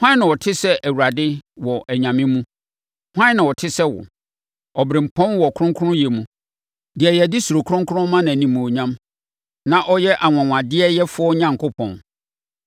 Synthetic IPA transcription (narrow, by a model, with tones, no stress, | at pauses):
hʷã˦nã˨wɔ˨tʰɪ˦sɛ˦ʔæ˨wu˨a˨dɪ˦wɔ˨ʔæ˨ɲã˨mɪ̃˦mũ˦ | hʷã˦nã˨wɔ˨tʰɪ˦sɛ˦wɔ̰˨ | ɔ˨bɾɪ̃˨m̩˨pʰɔ̃˦nwɔ˨kʰʊ̃˦ŋkʰʊ˦ʊ̃˦je˨mũ˨ | dɪ˨ɛ˨jɛ˨dɪ˦su˨ɾo˨kʰʊ˦ɾʊ̃˦ŋkʰʊ˦ɾʊ̃˦mã˦nã˨nĩ˨mũ˨o˨ɲã˦m | nã˦ʔɔ˦jɛ˦ʔa˨ŋ˨ã˨ŋʷ˨ã˨dɪ˦ɛ˦jɛ˦fʊ˦ɔ˦ɲã˦˨ŋ˨kʰʊ˦pʰɔ̰̃˨n